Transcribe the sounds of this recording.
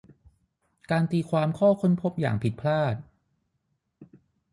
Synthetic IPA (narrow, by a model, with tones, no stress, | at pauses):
kaː˧nt̪iː˧kʰwaː˧mkʰɔː˥˩kʰo˧˥˨npʰo˦˥p̚ja̰ː˨˩ŋpʰi˨˩t̪̚pʰlaː˥˩t̪̚